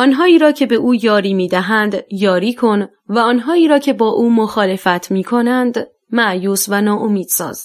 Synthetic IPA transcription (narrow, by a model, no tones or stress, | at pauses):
ʔɒːnɦɒːiːɾɒːcʰe̞be̞ʔuːjɒːɾiːmiːd̪æɦænd̪jɒːɾiːkʰo̞n | væɒːnɦɒːiːɾɒːcʰe̞bɒːʔuːmoxɒːle̞fæt̪ʰmiːkʰo̞nænd̪ | mæʔjuːsvænɒːʔomiːd̪̥sɒ̰ːz̥